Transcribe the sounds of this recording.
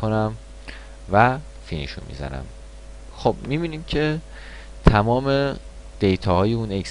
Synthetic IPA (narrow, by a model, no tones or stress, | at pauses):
onæm | væ | finiʃṵmḭzæ̰næ̰m | xob̥̚mibiːniːmcʰe̞ | t̪ʰæmɒːme | d̪̥ejt̪ʰɒːhɒːjeuneks